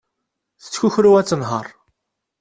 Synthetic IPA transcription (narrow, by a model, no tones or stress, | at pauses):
θə̥t͡sːçuçɾuæt͡sːənɦə̰ɾˤ